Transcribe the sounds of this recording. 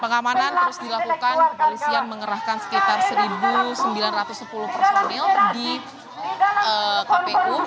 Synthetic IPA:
pəŋamanant̪əɾʊsdilakukanpəɾusianməŋəɾahkansə̥kit̪arsəɾibusəmbilanrat̪ʊsːəpulʊhkəɾomnɪldi | əkaeu

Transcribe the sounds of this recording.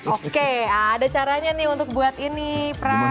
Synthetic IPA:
ʔokeaadat͡ʃaɾaɲanɪhunt̪ʊk̚buat̪inipɾa

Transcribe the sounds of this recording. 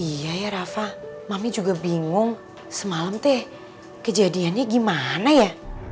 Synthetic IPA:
ijajaɾafamamid͡ʒuɡabiŋʊŋ | səmaləmt̪ɛ | kəd͡ʒadianɲaɡimanaja

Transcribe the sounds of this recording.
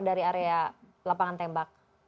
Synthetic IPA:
daɾiaɾea | lapaŋant̪ɛmbak̚

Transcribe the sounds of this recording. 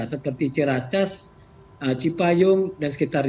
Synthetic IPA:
asəpərt̪it͡ʃiɾat͡ʃas | ət͡ʃipajʊŋdansə̥kit̪ar

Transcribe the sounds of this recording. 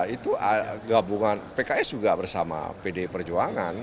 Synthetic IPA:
it̪uaɡabuŋanpekaɛsd͡ʒuɡabərsama̰pedepərd͡ʒuaŋan

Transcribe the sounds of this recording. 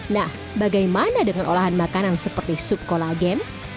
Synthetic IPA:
nah | baɡajmanadəŋanʔolaɦanmakanansəpərt̪isup̚kolaɡɛn

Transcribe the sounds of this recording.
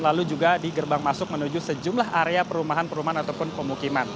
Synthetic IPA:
lalud͡ʒuɡadiɡərbaŋmasʊk̚mənud͡ʒusəd͡ʒumlaɦaɾeapəɾumaɦanpəɾumaɦanat̪awpʊnpəmukiman

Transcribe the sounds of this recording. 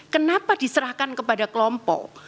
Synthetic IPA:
kənapadisəɾahkankəpadakəlɔmpɔ̰k

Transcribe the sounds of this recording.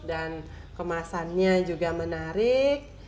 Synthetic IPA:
dan | kəmasanɲad͡ʒuɡamənaɾɪk̚

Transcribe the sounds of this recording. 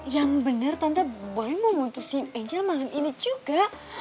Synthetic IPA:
jaŋbənərt̪ant̪abolɛməmunt̪usinɛɲd͡ʒalmalaninid͡ʒuɡaʔ

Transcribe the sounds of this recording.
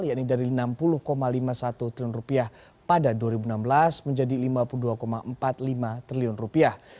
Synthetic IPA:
ljaʔnidaɾinampulʊhkomalimasat̪ut̪ɾiiʊnrupiah | padaduaɾibuənambəlasməɲd͡ʒadilimapuluduakomaəmpat̪̚limat̪ɾiliʊnrupiah

